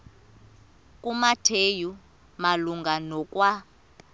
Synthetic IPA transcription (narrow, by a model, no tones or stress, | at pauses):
kʼumatʰeju | maluŋɡanɔk̬ʼwa